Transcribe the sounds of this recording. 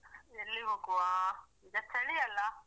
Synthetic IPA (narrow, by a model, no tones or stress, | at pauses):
elːiɦoːɡuʋaiɡɐst̪ɐɭiɐlːɐ